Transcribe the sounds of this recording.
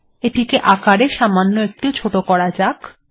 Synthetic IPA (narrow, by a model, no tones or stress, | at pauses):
eʈikeʔakaɽeʃamanːoek̚ʈit͡ɕʰoʈokɔɽad͡ʑak